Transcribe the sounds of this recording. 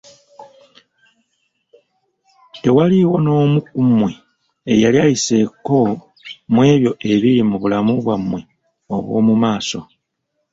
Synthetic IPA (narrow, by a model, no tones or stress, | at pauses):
te̞waliwo̞no̞ːmukumwe | ejaljajise̞ko̞ | mwe̞ːβjo̞ʔe̞βilimuβulamuβwamwe̞ | oβwo̞̰ːmumaːso̞̰